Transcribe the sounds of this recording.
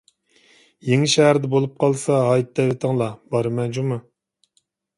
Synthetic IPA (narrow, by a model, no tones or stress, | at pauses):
jeŋɪʃɛɦæɾd̪ɛbolˠup̚qʰɑlˠsɑɦɑjt̪̚d̪ɛvɪt̪ʰəŋlˠɑbɑɾɨmɛnd͡ʒumu